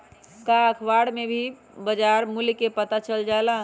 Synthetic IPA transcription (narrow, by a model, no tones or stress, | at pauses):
kaəkʰʋaɽmebʱi | bəd͡ʒaɾmulkepət̪at͡ʃəld͡ʒala